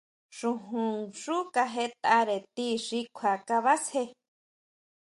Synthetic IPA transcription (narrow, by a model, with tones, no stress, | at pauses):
ʂũ˧ɦũ˨ʐu˦ka˧ɦe˧˦t̪a˧ɾe˨t̪i˦ʂi˧kʷʰa˨ka˧βa˦she˧